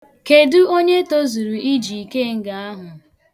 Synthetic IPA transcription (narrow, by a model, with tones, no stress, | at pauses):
ke˨dʊ˦o˦ɲe˦to˦zu˨ɾu˨ʔi˦d͡ʒi˨i˨ke˦ŋ̩˦ɡa˨a˦ɦʊ˨